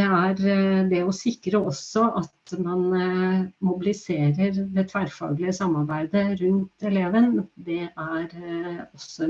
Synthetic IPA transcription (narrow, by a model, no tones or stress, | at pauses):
ɛæɾd̪ɛɔsɪkːɾəɔsːɔʔɑt̪mɑn | mʊbɪlɪseːɾəɾd̪ɛt̪ʰʋæɾfɑ̰ːɡlɪəsɑmːɑɾbæɪd̪əɾʉnt̪ɛleːʋənd̪ɛæɾɔsːɔ